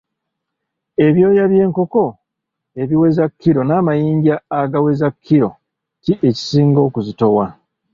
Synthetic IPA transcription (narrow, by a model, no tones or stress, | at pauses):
e̞βjo̞ːjaβje̞ːŋko̞ko̞ | e̞βiwe̞zakːiɾo̞naːmajiːɲɟaːɡawe̞zakʰːiɾo̞ | ciʔe̞ci̥siːŋɡo̞ːkuzito̞wa